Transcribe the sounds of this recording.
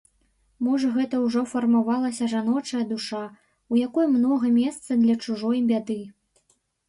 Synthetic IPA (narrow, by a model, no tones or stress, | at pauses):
mɔʐɐɣɛt̪ɐwʐɔfɐrmavalˠɐsʲɐʐanɔt͡ʂɐjɐd̪uʂa | ujakɔjmnɔɣɐmʲɛst̪sɐd̪lʲɐt͡ʂuʐɔjbʲad̪ɨ